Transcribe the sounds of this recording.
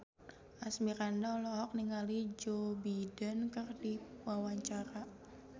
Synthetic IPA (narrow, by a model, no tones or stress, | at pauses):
ʔasmiɾandalɔɦɔk̚niŋalid͡ʒobidənkərdiwawaɲt͡ʃaɾa